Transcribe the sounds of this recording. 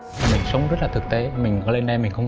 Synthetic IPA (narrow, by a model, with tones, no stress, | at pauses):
mi˨˩ŋ̟sə˨˦wŋ͡mzə˦˥t̚laː˨˩t̪ɨ˨˩k̚t̪e˨˦mï˨˩ŋ̟kɔ˨˦le˧nɗa˧mï˨˩ŋ̟xə˧ŋ͡m